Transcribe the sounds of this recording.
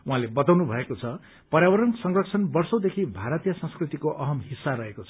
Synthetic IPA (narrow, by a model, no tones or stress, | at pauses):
uɦãlebʌt̪awnubʱʌekot͡sʰʌ | pʌrjawʌɾʌnsʌŋrʌkt͡sʰʌnbʌrsʌwd̪ekʰibʱaɾʌt̪ijasʌ̃skrit̪ikoʔʌɦʌmɦisːaɾʌɦekot͡sʰ